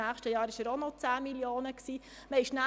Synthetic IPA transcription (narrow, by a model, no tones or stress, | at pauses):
æːχʃtəjɑːɾɪʃæɾonot͡sæːmiljoːnəksiː | məɪʃnæ